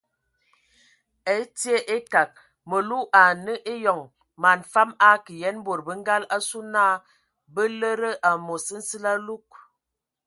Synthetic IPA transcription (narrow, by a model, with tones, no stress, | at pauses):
e˨˦ti˦e˦ʔe˦ka˨k̚ | mə˨lu˦ʔa˨nə˦ʔe˦jɔ˨ŋ | ma˨nfa˦ma˦kə˨jɛ˦n˦bo˨ɾbə˦ŋ˦ɡa˦la˦su˦na˦˨ | bə˦lə˦ɾə˦ʔa˨mo˨sə˦n̩˦sə˦la˦lu˦k̚